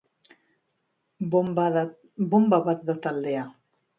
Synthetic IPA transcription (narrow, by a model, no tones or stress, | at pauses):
bombaβat̪̚d̪at̪ald̪ea